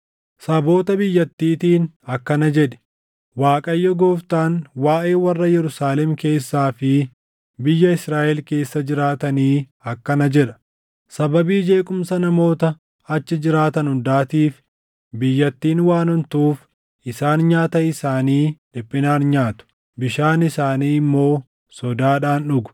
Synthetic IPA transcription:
sɐbo̞ːt̪ɐbɪjːɐt̪ːiːt̪iːnɐkːɐnɐd͡ʒɛᶑɛ̥ | waːkʼɐjːɔɡoːft̪aːnwaːʔe̞ːwɐrːɐjɛɾʊsaːlɛmke̞ːsːaːfɪ | bɪjːɐɪsɾaːʔɛlke̞ːsːɐd͡ʒɪɾaːt̪ɐniː | ɐkːɐnɐd͡ʒɛᶑɐ̥ | sɐbɐbiːd͡ʒe̞ːkʼʊmsɐnɐmo̞ːt̪ɐ | ɐt͡ʃːɪd͡ʒɪɾaːt̪ɐnhʊnd̪aːt̪iːf | bɪjːɐt̪ːiːnwaːnɔnt̪uːf | ɪsaːnɲaːt̪ɐɪsaːniːᶑɪpʼːɪnaːnɲaːt̪ʊ̥ | bɪʃaːnɪsaːniːmːo̞ː | sɔd̪aːᶑaːnᶑʊɡʊ̥

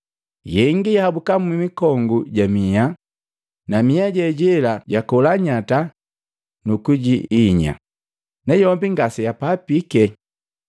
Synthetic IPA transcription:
jɛŋɡijahabukammimikɔŋɡuɟamija | namiaɟɛɟɛlaɟakɔlaɲata | nukuɟiiɲa̰ | nɛjɔmbiŋɡasijapaːpikɛ

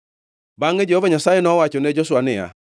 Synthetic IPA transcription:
baŋed͡ʒɛhɔvaɲasajenɔwat͡ʃoned͡ʒɔsʊwanɪja̰

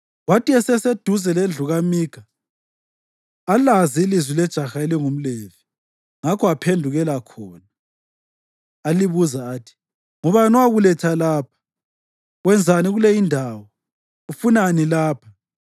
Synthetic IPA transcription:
watiɛsɛsed̥ʱuzɛlɛnd͡ɮʱuɣamiːɡ̥ʱa | laziilizwilɛd̥ʒ̥ʱaxaeliŋum̩leːvi | ŋakʰɔapʰendʱuɣɛlakʰɔːna | liβuzaːtʰi̥ | ŋɔβanɔwaɣulɛtʰalaːpʰḁ | wɛnd͡zʱaniɣulɛjindʱaːwɔ | ufunanilaːpʰa

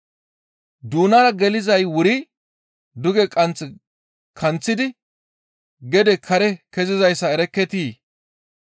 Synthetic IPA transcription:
d̪uːnaːɾɐɡɛlɪzɐjwʊɾɪ | d̪ʊɡɛkʼɐnt͡sɛ | kʰɐnt͡sːɪd̪ɪ | ɡɛd̪ɛkʰɐɾɛkɛzɪzɐjsːɐɛɾɛkːɛt̪iː

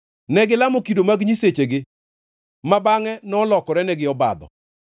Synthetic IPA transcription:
nɛɡɪlamokidomaɡɲiset͡ʃeɡɪ | mabaŋɛnɔlɔkɔɾɛnɛɡɪɔba̰d̪ɔ̰

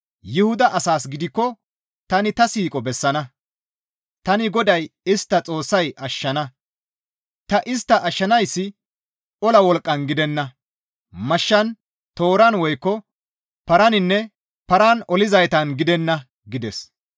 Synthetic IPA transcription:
jɪhʊd̪ɐʔːsaːsɡɪd̪ɪkːɔ | t̪ɐnɪt̪ɐsiːkʼɔbɛsːɐnɐ | t̪ɐnɪɡɔd̪ɐjɪst̪ːɐt͡sʼo̞ːsːɐjʔɐʃːɐnɐ | t̪ɐʔɪst̪ːɐʔɐʃːɐnɐjsːɪ | ʔɔlɐwɔlkʼːɐnɡɪd̪ɛnːɐ | mɐʃːɐn | t̪oːɾɐnwɔjkːɔ | pɐɾɐnɪnːɛ | pɐɾanɔlɪzɐjt̪ɐnɡɪd̪ɛnːɐ | ɡɪd̪ɛs

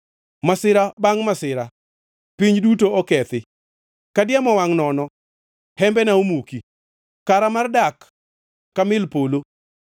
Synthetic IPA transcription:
masɪɾabaŋmasɪɾa | piɲdutoɔkɛt̪ɪ | kadɪamɔwaŋnɔnɔ | hɛmbɛnaomuki | kaɾamardakː | amɪlpolo

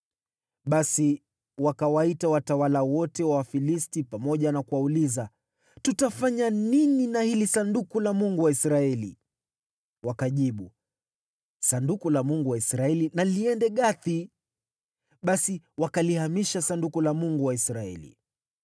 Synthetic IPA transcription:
ɓasi | wakawaitawatawalawɔtɛwawafilistipamɔʄanakuwauliza | tutafaɲanininahilisandukulamuŋɡuwaisɾaɛlḭ | wakaʄiɓu | sandukulamuŋɡuwaisɾaɛlinaliɛndɛɠaθi | ɓasiwakalihamiʃasandukulamuŋɡuwaisɾaɛ̰lḭ

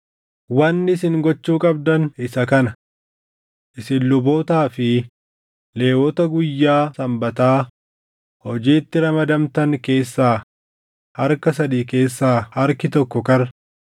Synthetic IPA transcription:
wɐnːɪsɪŋɡɔt͡ʃːuːkʼɐb̚d̪ɐnɪsɐkɐnɐ | ʔɪsɪnlʊboːt̪aːfɪ | le̞ːwɔt̪ɐɡʊjːaːsɐmbɐt̪aː | hɔd͡ʒiːt̪ːɪɾɐmɐd̪ɐmt̪ɐŋke̞ːsːaː | hɐɾkɐsɐd̪iːke̞ːsːaːhɐɾkɪt̪ɔkːɔkɐɾ

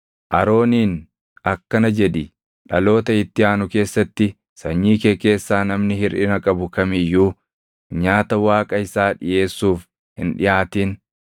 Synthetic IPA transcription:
ʔɐɾo̞ːniːn | ɐkːɐnɐd͡ʒɛᶑɪ | ᶑɐlo̞ːt̪ɐɪt̪ːɪaːnʊke̞ːsːɐt̪ːɪ | sɐɲːiːkeːke̞ːsːaːnɐmnɪhɪɾʔɪnɐkʼɐbʊkɐmɪjːuː | ɲaːt̪ɐwaːkʼɐɪsaːᶑɪ̰jʔe̞ːsːuːf | hɪ̰nᶑɪjaːt̪iːn

